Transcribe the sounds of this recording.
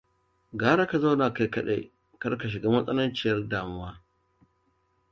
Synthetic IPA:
ɡaː˦ɽa˦ka˨za˦wnaː˨ka˦jkɐ˦ɗḛ˦ | kɐ˦rka˨ʃ̬ɪ˨ɡaː˦mɐ˦sʼɐ˦nɐ˦nt͡ʃɪ˨jɐ˦rdaː˨mʊ˦waː˦

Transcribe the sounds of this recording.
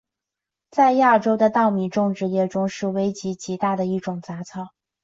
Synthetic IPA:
t͡sa˥˧ɪja˥˩ʈ͡ʂo˥ʊd̪ə˨t̪ɑ˥˩ʊmi˨˥˩ʈ͡ʂʊ˥˧ŋʈ͡ʂɻ̩˥˧jɛ˥˩ʈ͡ʂʊ˥ŋʂɻ̩˥˩we˥ɪt͡ɕi˧˥t͡ɕi˧˥t̪a˥˩d̪ə˩i˥˩ʈ͡ʂʊ˨˩ŋt͡sa˧˥t͡sʰɑ˥˩ʊ

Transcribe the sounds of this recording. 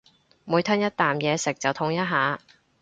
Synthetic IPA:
muː˨˧jt̪ʰɐː˥njɐ˥t̚t̪aː˨mjɛː˨˧sɪ˨k̚t͡sɐ˨wt̪ʰʊ˧˥ŋjɐ˥t̚ɦaː˨˧

